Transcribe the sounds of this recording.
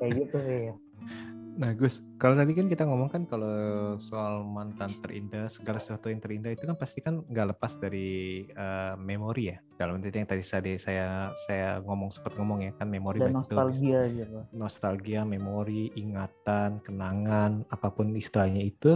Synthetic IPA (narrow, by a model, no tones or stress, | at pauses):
jaɡit̪uja | nahɡʊs | kalot̪adikankit̪aŋɔmɔŋkankalosoalmant̪ant̪ərʔḭndahsəɡalasə̥suwat̪ujaŋt̪əɾindait̪ukanpast̪ikanɡaʔləpasdaɾiəmemoɾija | d̥alamənit̪jaŋt̪adisadasajasajaŋɔmɔŋsə̥pərt̪̚ŋɔmɔŋjakanmemoɾibanɔt̪ualɡiaɡit̪unɔst̪alɡiamemoɾiʔiŋat̪ankənaŋanapapʊnist̪ɾaɲait̪u